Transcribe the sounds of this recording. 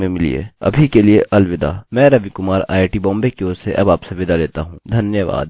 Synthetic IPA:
mẽmɪlḭḛːɐ̰bʱikelieʔɐlʋɪd̪a̰ːmɛ̃ːɾɐʋikʊmaːɾa̰ːɪʈibɔ̃ːmbekioːseʔɐbaːpseʋɪd̪aleːt̪aɦũːd̪ʱɐnjəʋa̰ːd̪

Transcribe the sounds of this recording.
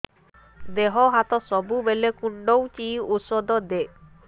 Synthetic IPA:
d̪eɦɔɦat̪ɔsɔbubelekuɳɖɔwt͡ʃiusɔd̪ɔd̪eʔ

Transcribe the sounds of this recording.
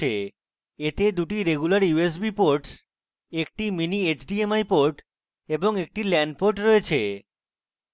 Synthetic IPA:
e | et̪ed̪uʈiɾeɡulaɾjues̬bipoɾʈs | ek̚ʈiminiet͡ɕɖiemajpoɾʈ | eboŋek̚ʈilɛɳɖ̚poɾʈɾɔet͡ɕʰe

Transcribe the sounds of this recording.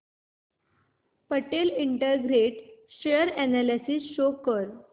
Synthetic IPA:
pəʈeliɳʈəɡɾeʈɕejəɾænælisisɕokəɾ

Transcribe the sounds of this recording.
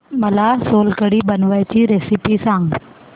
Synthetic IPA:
mɐlaːsoːlkəɽibənʋəjt͡ɕiːɾeːsipisãːŋɡ

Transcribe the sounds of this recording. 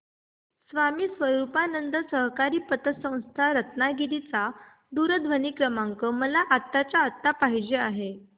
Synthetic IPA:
sʋamiːsʋəɾupanənd̪əsəɦkaɾiːpət̪əsə̃w̃st̪ʰaɾət̪naɡilit͡sa | d̪uɾəd̪ʱʋəniːkɾəmaŋkəməlaʔat̪ːat͡ɕjaːt̪ːapaɦid͡ʑeaɦe

